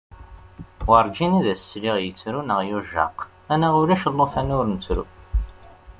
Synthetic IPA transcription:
wəɾˤd͡ʒiniðæsːliʁjət͡sːɾunəʁjuʒɑ̰q | ænæʁʊɾæʃəlːofænʊɾnət͡sːɾṵ

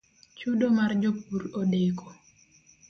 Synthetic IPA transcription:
t͡ʃuɗomard͡ʒopuɾoɗekɔ

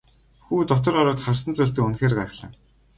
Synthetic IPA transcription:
xuːt̪ɔt̪ɞ̆rɔɾʊːt̪χarsə̆nt͡sʊɮt̪ɘ̆kunxeːrɢăxɮə̆ŋ

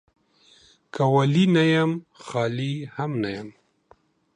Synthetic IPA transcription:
kawalinajamxɑːlihamnajam

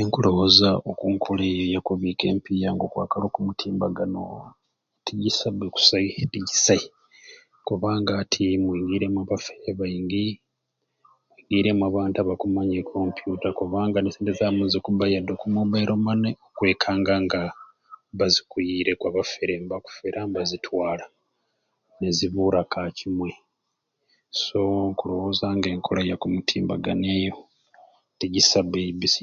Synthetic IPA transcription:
neŋkulohozaʔokuŋkʰulejojakuβike̞̰ːmpijaŋɡo̞kwa̰ːkalo̞ːkumutʰiːmbaɡano | etʰijisabeku̥saihetisa | kuβaːŋɡaːtʰimwiːŋɡiːɾemwaβafeɾeβaiŋɡi | mwwiːŋɡiːɾe̞mwaβaːntaβakumaɲekʰo̞mpjutakuβaːŋɡanesiːndezamuzikubajadokumubaiɾomaneokwe̞ːkʰaːŋɡaŋɡa | βazikujiɾe̞kwaβafeɾembaku̥feɾʔambazitʰwaːla | neziβuɾakacimwe | so̞ŋkuloho̞zaŋɡe̞ːŋkʰolajakumutʰiːmbaɡaneːjo̞ | teɟisaβebisi

